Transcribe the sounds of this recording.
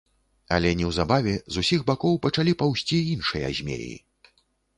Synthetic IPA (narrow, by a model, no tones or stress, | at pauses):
ɐ̰lʲɛnʲɛwzabavʲɛzusʲiɣbakɔwpɐt͡ʂalʲipawsʲt͡sʲiinʂɨjɐ̰zʲmʲḛjḭ